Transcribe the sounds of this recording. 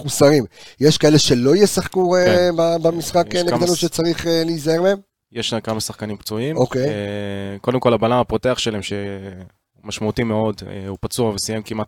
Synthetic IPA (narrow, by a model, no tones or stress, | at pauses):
χusaʁimjeʃkae̞leʃe̞lo̞ijesaχkuebabamisχakeneɡɡd̪anuʃet͡saʁiχelijzae̞ʁleem | jeʃlamkamasaχkanimpt͡suimokejko̞d̪e̞mko̞labalamapote̞aχʃelaemʃe | maʃmaut̪imeo̞dḛupat͡suavesijemkimat̪̚